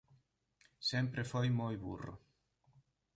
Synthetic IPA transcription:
sempɾefojmojβṵro̰

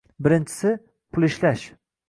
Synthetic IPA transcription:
bɪɾɪnt͡ʃʰɪ̥sɪ | pʰʊlˠɪʃlaʃ

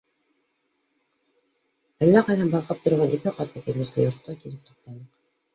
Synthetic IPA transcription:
ælːæqɑjðɑnbɑlˠqɤp̚t̪ʰŏɾʁɑnʔikɘqɑt̪ɑkilmɘ̆st̪ɘjŏɾt̪̆t̪ɑkilɘp̚t̪ŏ̥q̚t̪ɑnɤq

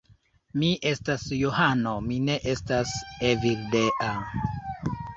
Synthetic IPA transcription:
miʔe̞stasjohano̞mine̞ʔe̞staseviɾdeʔa

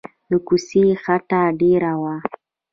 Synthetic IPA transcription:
d̪əkusexaʈ̪aɖeɾawa

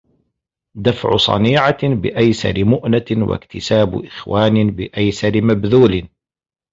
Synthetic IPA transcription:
d̪afʕʊ̰sˤɑ̰niːʕabɪʔajsɑ̰ɾɪmʊʔnawa̰kt̪ɪsaːb̰ʔɪxwaːnɪbɪʔajsɑɾɪmabðuːlɪ

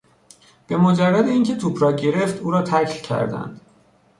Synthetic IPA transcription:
b̥e̞mod͡ʒærːæd̪eiːŋcʰet̪ʰupʰɾɒːɟe̞ɾeft̪uːɾɒːt̪ʰækʰlcʰæ̰ɾd̪æ̰nd̪̥

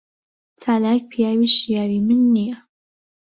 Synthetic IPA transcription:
t͡sʰaːlaːk̚pʰijaːwiʃijaːwimɨnːija

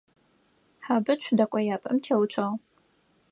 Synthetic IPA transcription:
ħabɨt͡ʃʷʰdɐkʷʼɔjaːpʼɐmtʰewt͡ʃʷʰɐʁ

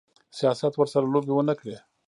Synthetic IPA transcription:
sijɑsat̪wəɾsaɾalobewənəkɽe

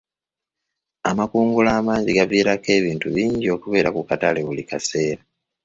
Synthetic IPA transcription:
amakuːŋɡulaːmaːziɡaviːɾake̞ːβiːntuβiːɲɟio̞ːkuβe̞ːɾakukataleβulikase̞ːɾa

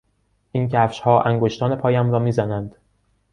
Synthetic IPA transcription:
ʔincʰæːfʃhɒːʔæŋɡoʃt̪ɒːnepʰɒːjæmɾɒːmiːzænænd̪̥

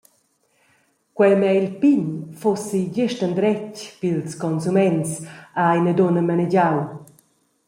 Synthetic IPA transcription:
kwɛjmɛilpiɲfosid͡ʑɪʃtənd̪ɾɛcpilskɔnsumɛnsaajnədonəmanɛɟaw

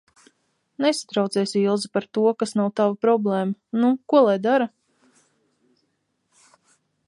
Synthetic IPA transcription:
nesḁt̪ɾawt̪sɛːsilˠzipaɾt̪uɔkasnawt̪avapɾɔblˠeːmanukuɔlˠajd̪aɾa

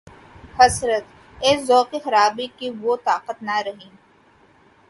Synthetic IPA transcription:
hɐsɾət̪ | eːszɔːqexɐɾaːbikiʋot̪aːqət̪nɐɾɐɦiː

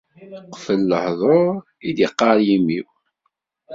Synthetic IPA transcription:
qːfəlːəhðˤoɾ | id̪jəqːɑɾjimiw

